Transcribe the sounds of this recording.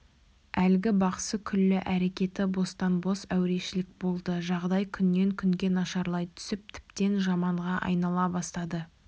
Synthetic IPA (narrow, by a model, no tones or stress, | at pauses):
ælɡʲɪbɑqə̥səkʲʰʏlːɪʔæɾe̞kʲe̞t̪ɪbo̞st̪ɑnbo̞sæwɾe̞ʃɪlɪk̚bo̞lˠd̪əʒɑʁd̪ɑjkʲʰʏnːe̞ŋkʲʰʏŋɡʲe̞nɑʃɑɾlˠɑjt̪ʰʏ̥sɪp̚t̪ʰɪ̥pt̪e̞nʒɑmɑɴʁɑʔɑ̰jnɑlˠɑbɑst̪ɑd̪ə